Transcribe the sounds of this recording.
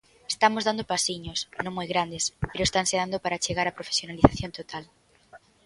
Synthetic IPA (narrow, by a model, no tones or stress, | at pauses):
e̥st̪amozðand̪opasiɲoʊsnõŋmojɣɾand̪espeɾʊest̪aŋseðand̪opaɾat͡ʃeɣaɾapɾofe̥sjonaliθaθjont̪ot̪al